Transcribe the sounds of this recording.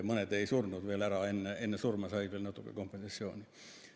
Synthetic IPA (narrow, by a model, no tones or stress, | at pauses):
monet̪eisurnuːt̪ʋielærɑenːeenːesurmɑsɑit̪ʋielnot̪ːukḛkompːensɑsːio̰ːni